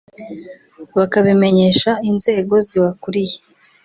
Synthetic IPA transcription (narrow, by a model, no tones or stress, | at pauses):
βakaβime̞ɲe̞ʃainze̞ːɡo̞ziwakuɾije